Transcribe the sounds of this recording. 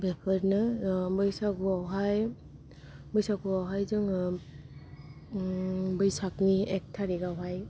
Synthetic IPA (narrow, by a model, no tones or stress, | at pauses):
bekʰɯɾnɯbɯjsaɡuawɦaj | bɯjsakuawɦajzɯŋ | bɯjsak̚niek̚tʰaɾiɡawɦaj